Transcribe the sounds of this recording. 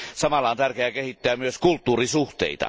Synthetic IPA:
sɑmɑlːɑont̪ærkeækehit̪ːæːmyøskult̪ːuːrisuht̪ḛˑit̪ɑ̰

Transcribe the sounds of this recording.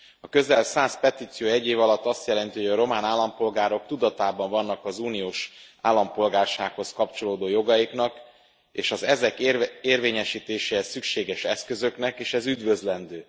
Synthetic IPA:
ɒkø̞zɛlsaːspɛt̪iːt̪sijoːɛɟːeːvɒlɒt̪ːɒst̪jɛlɛnt̪iɦoɟɒɾo̞maːnaːlːɒmpo̞lɡaːɾo̞k̚t̪ud̪ɒt̪aːbɒɱvɒnːɒkɒzuːnijoːʃaːlːɒmpo̞lɡaːrʃaːkho̞skɒpt͡ʃo̞loːd̪oːjo̞ɡɒjiknɒk | ḛːʃɒzɛzɛkeːrveːɲɛʃiːt̪eːʃeːɛsːykʃeːɡɛʃɛskø̞zøknɛkeːʃɛzyd̪vø̞zlɛnd̪øː

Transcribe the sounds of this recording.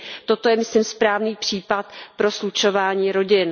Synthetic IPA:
t̪ot̪o̞jɛmɪslimspɾaːvniːpr̥iːpat̪̚pɾo̞slut͡ʃo̞vaːɲiːɾo̞ɟɪn

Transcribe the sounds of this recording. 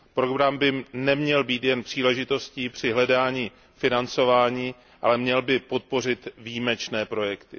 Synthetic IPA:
pɾoɡɾambɪnɛmɲɛlbiːt̪jɛnpr̥iːlɛʒɪt̪o̞sciːpr̝̥ɪɦlɛdaːɲiː | fɪnant͡so̞vaːɲiː | ʔalɛmɲɛlbɪpo̞t̪̚po̞r̝ɪt̪viːmɛt͡ʃnɛːpɾo̞jɛkt̪ɪ

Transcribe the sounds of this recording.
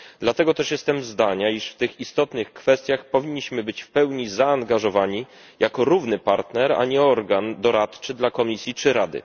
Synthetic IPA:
d̪lat̪ɛɡɔt̪ɛʂjɛst̪ɛmzd̪aɲaiʂft̪ɘxist̪ɔt̪nɘxkfɛst̪ʲjaxpɔvʲiɲːiɕmɘbɘt͡ɕfpɛwɲizaːŋɡaʐɔvaɲi | jakɔɾuvnɘpaɾt̪nɛɾa̰ɲɛɔɾɡand̪ɔɾat̪t͡ʂɘd̪lakɔmʲisʲjit͡ʂɘɾad̪ɘ̰

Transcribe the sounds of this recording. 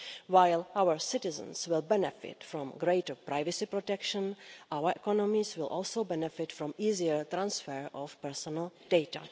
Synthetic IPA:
wajlʔawəɹsɪtɪzə̰̃nswɪlbɛnɛfɪ̰tfɾɔ̃mɡɾejtəpɾajvəsipɾotɛkʃə̃nʔawəɹʔɛkɔnɔmiswɪlʔɔːlˠsowbɛnɛfɪtfɾɔ̃miːziəɹt̪ɾãnsfɛɹʔɔfpɛɹsɔnəl̩d̥ejta̰

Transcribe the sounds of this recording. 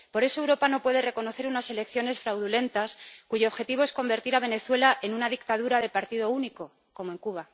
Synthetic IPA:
po̞ɾe̞so̞wɾo̞pano̞pwe̞ðe̞re̞ko̞no̞θe̞ɾunase̞le̞kθjo̞ne̞sfɾawðule̞nt̪askuʝo̞ːβxe̞t̪iβo̞esko̞mbe̞ɾt̪iɾaβ̞e̞ne̞θwe̞laʔe̞nunaðikt̪aðuɾaðepaɾt̪iðo̞uniko̞ | ko̞moe̞ŋkuβ̞a

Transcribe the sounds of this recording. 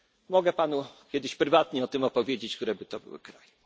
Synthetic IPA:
mɔɡɛpanukʲɛd̪ɘɕpɾɘvat̪ɲɛɔt̪ɘmɔpɔvʲjed͡ʑet͡ɕkt̪uɾɛbɘt̪ɔbɘ̰wɘ̰kɾaj

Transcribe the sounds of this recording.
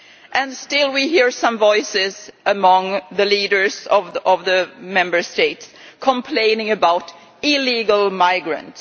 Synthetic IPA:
ʔɨ̃nstɪlˠwiɦiɹsʌ̃ɱvɔɪsɪzʔəmʌ̃ŋðɨliɾə˞zʌvʌvðɨmɛ̃mbə˞steɪtskʰmpʰl̥ẽɪ̃nɪ̃ŋɨbaʊɾ | ɪliɡəl̩ˠmaɪɡɹɨ̰̃nts

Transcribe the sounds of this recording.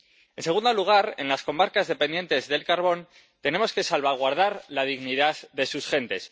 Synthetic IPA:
e̞nse̞ɣund̪o̞luɣ̞aɾe̞̰nlasko̞maɾkazðe̞pend̪je̞nt̪e̞zðe̞lkaɾβo̞n | t̪e̞ne̞mo̞ske̞salβaɣ̞waɾð̞aɾlaðiɣniðaððe̞susxe̞nt̪e̞s

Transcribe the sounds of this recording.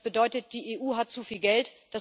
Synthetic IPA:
b̥ədɔʏtət̚d̥iːʔeːʔuːɦat̚t͡sufiːlɡɛltd̥as

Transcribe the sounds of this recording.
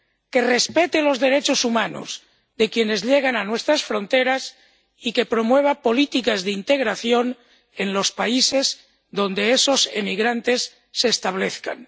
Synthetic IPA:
ke̞re̞spet̪elo̞zðe̞ɾe̞t͡ʃosumano̰z | d̪e̞kje̞ne̞zʎeɣ̞ananwe̞st̪ɾasfɾo̞nt̪e̞ɾas | ike̞pɾo̞mwe̞βapo̞lit̪ikazðeint̪e̞ɣ̞ɾaθjo̞n | e̞nlo̞spaise̞z | ðõ̞nd̪eeso̞semiɣɾant̪e̞sː | eːst̪aβ̞le̞θka̰n

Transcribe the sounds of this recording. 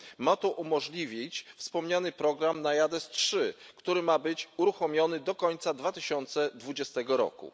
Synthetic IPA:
mat̪ɔʔumɔʐlʲivʲit͡ɕfspɔmɲanɘpɾɔɡɾamnajad̪ɛstʂɘkt̪uɾɘmabɘt͡ɕuɾuxɔmʲjɔnɘd̪ɔkɔɲt̪sad̪vat̪ɘɕɔnt̪sɛd̪vud͡ʑɛst̪ɛɡɔɾɔ̰kṵ

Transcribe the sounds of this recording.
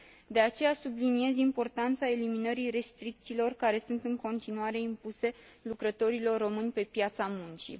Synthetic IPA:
d̪e̞at͡ʃe̞jasublinie̞zimpo̞rt̪ant̪sae̞liminəɾiɾe̞st̪ɾik̚t̪siːlo̞rkaɾe̞sunt̪ɨŋko̞nt̪inuaɾe̞impuse̞lukɾət̪o̞ɾilo̞rːo̞mɨnʲpe̞pjat̪samunt͡ʃḭ

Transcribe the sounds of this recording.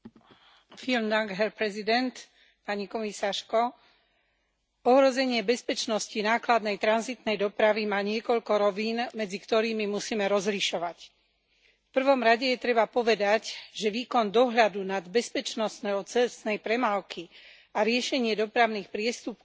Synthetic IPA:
filmd̪aŋɡɦɛɾpɾɛzid̪ɛnt̪ | paɲikɔmisaːʃkɔ | ɔɦɾɔzɛɲɪɛbɛspɛt͡ʃnɔscinaːklad̪nɛjt̪ɾanzit̪nɛjd̪ɔpɾaʋimaːɲɪɛkɔʎkɔɾɔʋiːnmɛd͡zikt̪ɔɾiːmimusiːmɛɾɔzliʃɔʋac | fpr̩ʋɔmɾaɟɛjɛt̪ɾɛbapɔʋɛd̪acʒɛʋiːkɔnd̪ɔɦʎad̪unad̪bɛspɛt͡ʃnɔsnɛɦɔt͡sɛsnɛjpɾɛmaːlki | aɾɪɛʃɛɲɪɛd̪ɔpɾaʊniːxpɾɪɛst̪up

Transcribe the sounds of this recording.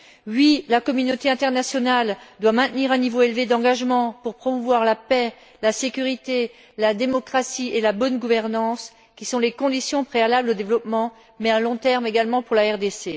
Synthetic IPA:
ɥilakɔmynot̪eɛ̃t̪ɛʁnasjɔnald̪wamɛ̃t̪niʁɛ̃nivoelved̪ɑ̃ɡaʒmɑ̃puʁpχɔmuvwaʁlapɛ | lasekʲyʁit̪e | lad̪emɔkχasielabɔnɡuvɛʁnɑ̃s | kʲisɔ̃lekɔ̃d̪isjɔ̃pχealablod̪evlɔpmɑ̃ | mɛalɔ̃t̪ɛʁmeɡalmɑ̃puʁlaɛʁd̪ese

